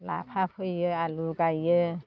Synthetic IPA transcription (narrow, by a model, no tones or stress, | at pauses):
la̰pʰapʰɯjɯaluɡajɯ